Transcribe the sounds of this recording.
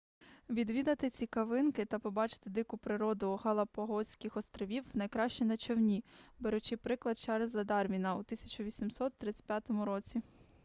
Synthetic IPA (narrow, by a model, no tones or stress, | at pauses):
ʋʲid̪ʋʲid̪ɐt̪ɪt͡sʲikɐʋɪnkɪt̪ɐpɔbɑt͡ʃɪ̥t̪ɪd̪ɪkʊpɾɪɾɔd̪ʊɦɐlˠɐpɔɦɔsʲkʲɪxɔst̪ɾɔʋʲiwnɐjkɾɑʃt͡ʃɛnɐt͡ʃɔwnʲibeɾʊt͡ʃɪpɾɪklˠɐd̪̚t͡ʃɛɾezɐd̪ɑrmʲinɐut̪ɪsʲɐ̥t͡ʃʊʋʲisʲimsɔt̪ːɾɪt͡sʲtʲpʲjat̪ɔmʊɾɔt͡sʲi